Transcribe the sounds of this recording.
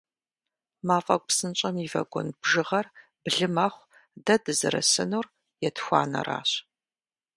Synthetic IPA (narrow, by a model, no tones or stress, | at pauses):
maːfʼɐk̚ʷʼpsɨnt͡ʃʼɐmiːvɐ̰ɡʷɔnbʒɨʁɐr | bɮɨmɐχʷ | dɐdɨzɨɾɐ̰sɨnuːr | jɛtxʷa̰ːnɐ̰ra̰ːɕ